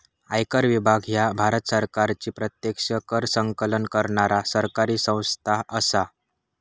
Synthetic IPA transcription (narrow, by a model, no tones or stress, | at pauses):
ajkəɾʋibʱaɡjabʱaɾət̪səɾkaɾt͡ɕiːpɾət̪jəkʂəkəɾsəŋkələnkəɾɳaɾasəɾkaɾiːsə̃w̃st̪ʰaɦʔəsa